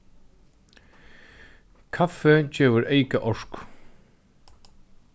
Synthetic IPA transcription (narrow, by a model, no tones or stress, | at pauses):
kʰafɛt͡ɕɛːvʏɾʔejkaʔɔʂk